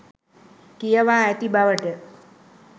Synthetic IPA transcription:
kijɐʋaːt̪ibaʋəʈə

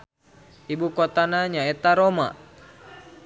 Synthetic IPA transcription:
ibukot̪anaɲaet̪aɾoma̰ʔ

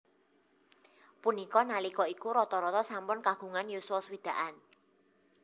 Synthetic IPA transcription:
punikɔnalikɔikuɾɔt̪ɔɾɔt̪ɔsampʊnkaɡ̥ṳŋanjuswɔswid̪̥ä̤ʔan

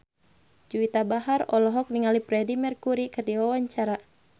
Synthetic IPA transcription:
d͡ʒuit̪abaɦarɔlɔɦɔk̚niŋalipɾɛdimɛrkuɾikɨrdiwawaɲt͡ʃaɾa

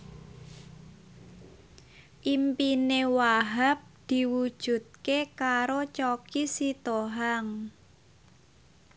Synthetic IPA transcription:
ʔimpinewaɦap̚d̪̥i̤wud̥ʒ̥ṳt̪̚kekaɾot͡ʃokisit̪oɦaŋ

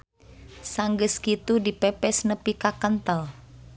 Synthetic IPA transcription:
saŋɡəskit̪udipɛpɛsnəpikakənt̪əl

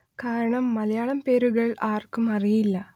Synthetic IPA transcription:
kaːɾɐɳɐmːɐlɐjaːɭɐmpe̞ːɾuɣɐɭaːrkumɐrijilːɐ

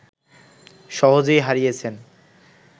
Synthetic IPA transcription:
ʃɔɦod͡ʑojɦaɾijet͡ɕʰen

